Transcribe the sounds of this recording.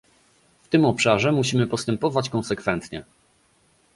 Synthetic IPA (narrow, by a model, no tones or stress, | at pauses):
ft̪ɘmɔpʂaʐɛmuɕimɘpɔst̪ɛmpɔvat͡ɕkɔnsɛkfɛnt̪ɲɛ